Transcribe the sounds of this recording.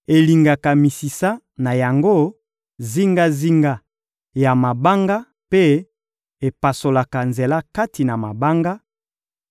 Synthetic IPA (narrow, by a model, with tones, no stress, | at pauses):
e˨li˨ŋɡa˨ka˨mi˨si˨sa˦ | na˨ja˨ŋɡo˦ | zi˦ŋɡa˦zi˦ŋɡa˦ | ja˨ma˨ba˦ŋɡa˦ | pe˦ | e˨pa˨so˨la˨ka˨nze˨la˦ka˦ti˨na˨ma˨ba˦ŋɡa˦